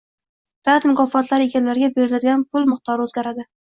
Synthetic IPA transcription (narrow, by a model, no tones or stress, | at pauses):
d̪̥at̪mʊkʰɒfɒt̪laɾe̞ɡʲanlaɾɪɡʲabe̞ɾɪlad̪ɡʲanpʰʊlˠmʊχt̪ɒɾɵzɡʲaɾad̪ɪ